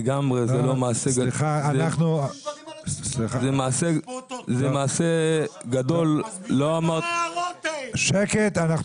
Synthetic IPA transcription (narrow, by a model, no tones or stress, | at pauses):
ɡamʁezelomaːseɡiχaanaχnu | sliazemaːsezemaːseɡad̪o̞lːo̞amaʁt | ʃeket̪anaχ